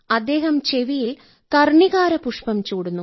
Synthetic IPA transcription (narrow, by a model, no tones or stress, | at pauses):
ɐd̪ːe̞ːɦɐmt͡ɕeʋijil | kɐrɳiɣaːɾɐpuʂpɐmt͡ɕuːɽunːu